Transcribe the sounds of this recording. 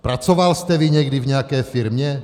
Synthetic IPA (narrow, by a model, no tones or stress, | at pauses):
pɾat͡sovalst̪ɛviɲɛɡdivɲɛakɛːfiɾmɲɛ